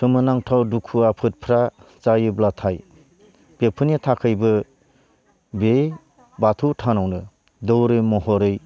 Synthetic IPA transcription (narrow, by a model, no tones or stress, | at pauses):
ɾɯmɯnaŋtʰawdukʰuapʰɯt̚pʰɾat͡ʃajɯblatʰaj | b̥epʰɯnitʰakʰɯjbɯ | be | batʰutʰanawnɯ | dɔwɾɯmɔɦɔɾɯj